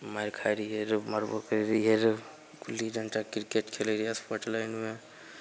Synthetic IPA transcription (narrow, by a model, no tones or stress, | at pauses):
majɾkʰajɾiɦeɾməɾbə̰kəɾɾieɾ | kulːid͡ʒʱəɳʈakiɾkeʈkʰeleɾijaspoʈlajnme